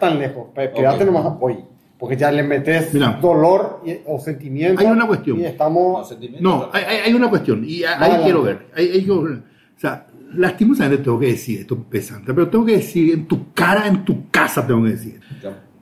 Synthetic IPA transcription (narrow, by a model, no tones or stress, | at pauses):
t̪anlexospkeðat̪enomasapoj | poɾkeʝalemet̪esmiɾad̪oloɾosent̪imjẽnajjunakwest̪jõnest̪amonoajajajunakwest̪joniaaikjeɾoβeɾleajajkjeɾoβe | osealast̪imosamẽnt̪et̪eŋɡokeðesiɾest̪opesa̰nt̪ep̬eɾot̪eŋɡo̞k̬eðesiɾent̪ukaɾaent̪ukasat̪̬eŋɡokeðesḭɾ